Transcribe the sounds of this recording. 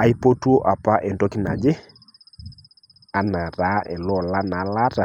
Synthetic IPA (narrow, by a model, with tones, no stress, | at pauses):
a˨i˦po˦tu˦o˦ʔa˨pa˦ʔe˨ndo˦ki˦na̰˨d͡ʒe˦ | a˨na˨ɾa˦ʔɛ˨lɔ˦˨la˦na˨la˦ta˨